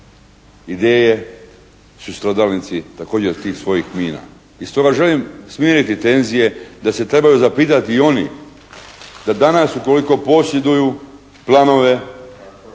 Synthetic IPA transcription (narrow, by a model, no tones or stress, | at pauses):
id̪eːje | sust̪ɾod̪alnit̪sit̪ako̞ːd͡ʑeot̪iːxsʋo̞jixmiːna̰ | ist̪o̞ɡaʒe̞limsmjeɾit̪it̪e̞nzije̞d̪ase̞t̪ɾe̞bajuzapiːt̪at̪io̞nḭ | d̪ad̪anasuko̞liko̞po̞sje̞d̪uju | plˠano̞ʋe̞